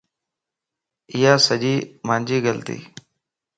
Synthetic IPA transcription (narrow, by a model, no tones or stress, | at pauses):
ɪjaːsəʄiːmãːnd͡ʒiːɡəlt̪ḭː